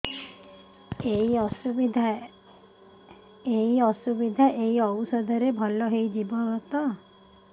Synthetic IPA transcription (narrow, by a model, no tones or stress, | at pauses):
eiɔsubid̪ʱa | eiɔsubid̪ʱaʔeiɔwusɔd̪ʱɔɾebʱɔlɔɦejd͡ʒibɔɡɔt̪ɔ